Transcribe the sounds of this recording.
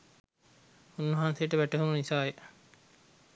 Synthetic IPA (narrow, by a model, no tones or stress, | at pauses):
unːəɦansejʈəʋæʈəɦumunisaːje